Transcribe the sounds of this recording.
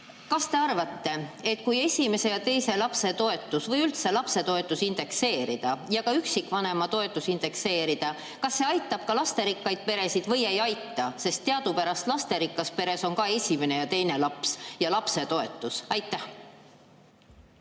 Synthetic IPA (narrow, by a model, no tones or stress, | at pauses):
kɑst̪e̞ɑrvɑt̪ːe̞e̞t̪ːkuje̞sʲime̞se̞jɑt̪e̞jse̞lɑpse̞t̪o̞e̞t̪ːˑusvɤjylt̪se̞lɑpse̞t̪o̞e̞t̪ˑːusind̪̥e̞kse̞ːɾid̪̥ɑjɑkɑyksikːvɑne̞mɑt̪o̞e̞t̪ːˑusind̪̥e̞kse̞ːɾid̪̥ɑ | kɑsːe̞ɑjt̪ːˑɑb̥̚kɑlɑst̪e̞ɾikːɑjd̪̥̚pe̞ɾe̞sid̪̥vɤje̞jɑjt̪ːˑɑse̞st̪ːeɑd̪upæɾɑst̪lɑst̪e̞ɾikːˑɑspe̞ɾe̞so̞ŋkɑe̞sʲime̞ne̞jɑt̪e̞jne̞lɑpsjɑlɑpse̞t̪o̞e̞t̪ːˑusɑjt̪ːˑæh